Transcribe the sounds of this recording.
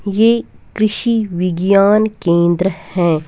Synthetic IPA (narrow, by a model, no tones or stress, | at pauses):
jeːkɾɪʃiʋɪɡjaːnkẽːnd̪ɾəhɛ̃ː